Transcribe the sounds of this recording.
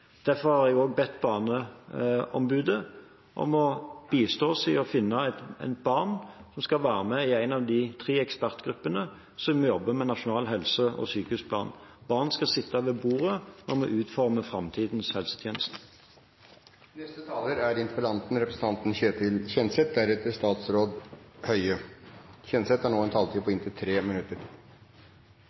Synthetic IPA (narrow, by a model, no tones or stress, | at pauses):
d̪̥æʁfɔʁhɑɾjɛɡoːɡ̚bɛt̪ːbɑːnə | ɔ̰mbʉːd̪ə | ʔɔ̰mɔb̥iːst̪oːsɪɔfɪnːəɛt̪æ̰ɪnbɑʁnsɔmskɑlʋæːʁəmɛɪæɪnɑʋd̪ɪt̪ʰʁiːɛkspæʁt̪ɡɾʉpːənə | sɔmjɔbːəmɛnɑʂʊnɑːlɦɛlsəʔɔ̰syːkəʉspʰlɑ̰ːnb̥ɑːʁnskɑsɪt̪ːɑʋɛbuːʁənʔɔʁmɛʔʉːt̪fɔʁməfʁɑmt̪ʰiːd̪n̩shɛlsə̥t̪ʰjeːnəst̪ | nɛst̪ət̪ʰɑːləɾæɾɪnt̪əpəlɑnt̪n̩ɾɛpɾəsn̩t̪ɑnt̪n̩çøːt̪ʰɪlçɛnsɛt̪̚d̪æɾɛt̪ːəʂt̪ɑːt̪sɾoːd̪hœʏəçɛnsɛt̪hæɳoːɛnt̪ʰɑːlt̪ʰiːpʰɔɪnt̪ʰɪt̪ʰɾeːmɪnʉt̪ːəɾ